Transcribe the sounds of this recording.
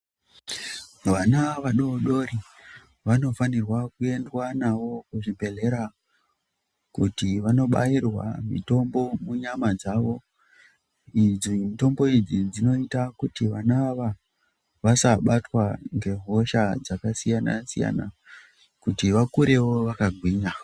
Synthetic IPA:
ʋanaʋaɗoɗo̞ɾi | ʋano̞fanirwakue̞ndwanaʋo̞kuʐibʱe̞ɮe̞ɾa | kutiʋano̞ɓa̰irwa̰mḭto̞mbo̞muɲamad͡zaʋo̞ | id͡zimito̞mbo̞id͡zid͡zino̞itakutiʋanaːʋa | ʋasaɓatwaŋɡe̞ɦo̞ʃad͡zakasijana̰sija̰na | kutiʋakuɾe̞wo̞ʋakaɡʱwiːɲa

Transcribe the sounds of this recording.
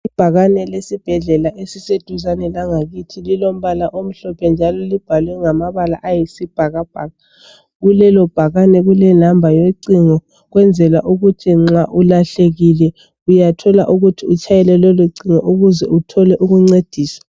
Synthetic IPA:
ib̥ʱaɣanɛlesib̥ʱɛɮɛlaʔesised̥ʱuzanɛlaŋaɣitʰililom̩βalaʔom̩ɬɔpʰɛnd͡ʒʱalɔlib̥ʱalwɛŋamaβala̰ʔajisib̥ʱaɣab̥ʱaːɣa | ɣulɛlɔb̥ʱaɣanɛɣulɛnambʱajeǀiŋɔ | ɣwɛnd͡zʱɛlaʔuɣutʰiŋ͡ǁaʔulaɬeɣilɛ | ujatʰɔlaʔuɣutʰiut͡ʃʰajɛlɛlɔluǀiŋɔʔuɣuzɛ̰utʰɔlɛʔuɣuŋ͡ǀed̥ʱiːswḁ

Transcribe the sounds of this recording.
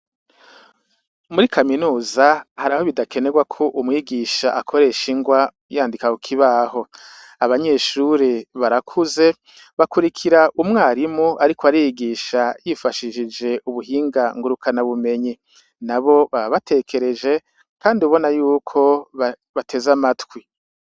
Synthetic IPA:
muɾikʰaminuːzahaɾaho̞βidake̞ne̞ɡwakʰo̞ʔumŋiːɡiʃaʔakʰoɾe̞ʃiŋɡwa | jaːndikakukʰiβaho̞ | aβaɲe̞ːʃuɾiβaɾakʰuze̞ | βakuɾikʰiɾaʔumŋaːɾimuʔaɾikoaɾijiɡiʃajifaʃiʒid͡ʒe̞uβuɦiːŋɡaŋɡuɾukʰanaβume̞ɲi | naβo̞βaβate̞kʰe̞ɾe̞d͡ʒe̞ | kaːndiuβo̞najuːkʰo̞βa | βatʰe̞zamatwi

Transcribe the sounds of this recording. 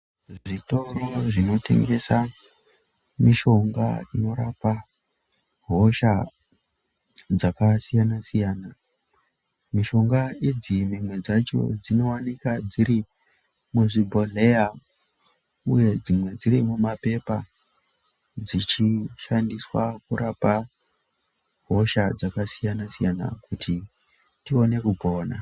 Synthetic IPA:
ʐʐito̞ɾo̞ʐino̞tʰe̞̰ŋɡe̞sa | miʃo̞ŋɡa̰ino̞ɾapa | ɦo̞ʃa | d͡zakasijanasijaːna | miʃo̞ŋɡaid͡zimimwe̞d͡zat͡ʃo̞̰d͡zino̞wanikad͡ziɾi | muʐibʱo̞le̞ja | uje̞d͡zimwe̞d͡ziɾimumape̞pa | d͡zit͡ʃiʃandiswa̰kuɾʔapa | ɦo̞ʃad͡zakasijanasijana̰kuti | tio̞ne̞kubʱo̞ːna̰

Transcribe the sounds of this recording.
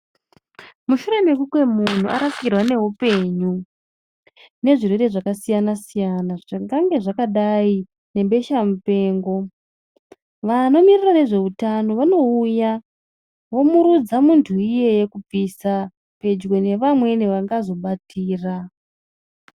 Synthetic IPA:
muʃuɾe̞me̞kukwe̞mun̤uʔa̰ɾaskirwane̞ɦupe̞ɲu | ne̞ʐirwe̞ɾe̞ʐakasijanasijanaʐaŋɡaŋɡe̞ʐakaɗai | ne̞mbe̞ʃamupe̞ːŋɡo̞ | ʋano̞mirirane̞ʐe̞utano̞ʋano̞uja | ʋo̞muɾud͡zamuntʰuije̞je̞kub͡vʱisa | pe̞d͡ʒɡo̞ne̞ʋamwe̞neʋaŋɡazo̞ɓatiːra

